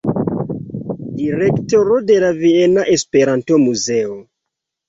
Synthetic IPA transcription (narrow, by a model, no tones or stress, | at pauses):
diɾektoɾode̞lavienaʔespe̞ɾanto̞muze̞o